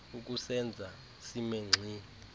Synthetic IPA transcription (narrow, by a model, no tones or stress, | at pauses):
uk̬ʼusɛnd͡zʱa | simeŋ͡ǀʱiːni